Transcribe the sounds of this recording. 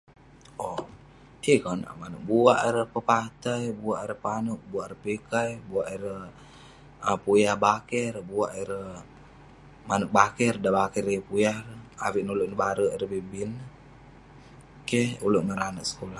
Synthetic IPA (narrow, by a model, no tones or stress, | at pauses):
o | ikana̰ʔmanə̰k̚buaʔiɾəhpəpat̪ajbuaʔiɾəpanəʔ̚buaʔɾəpikajbuaʔiɾə | əpujahbakəɾəbuaʔiɾə | manək̚bakərdabakərpujahrawiʔnuluʔnəbaɾəʔiɾəbibɪlnə | kehuluʔməɾanəʔsə̥kolah